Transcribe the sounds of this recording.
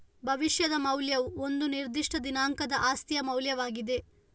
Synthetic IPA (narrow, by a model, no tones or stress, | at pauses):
bʱɐʋiʃjɐd̪ɐmɐwljɐʋuo̞nd̪uniɾd̪iʂʈɐd̪inaːŋkɐd̪ɐʔaːst̪ijɐmɐwljɐʋaːɡid̪e̞